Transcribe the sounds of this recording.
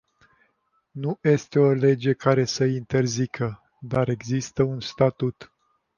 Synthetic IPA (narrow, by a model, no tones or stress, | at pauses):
nuje̞st̪e̞o̞le̞d͡ʒe̞kaɾe̞səint̪e̞rzikʰə | d̪aɾe̞ɡzist̪əunst̪at̪ut̪